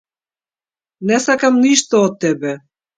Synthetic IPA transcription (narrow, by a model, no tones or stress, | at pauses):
nɛsakamniʃt̪oɔt̪ːɛbɛ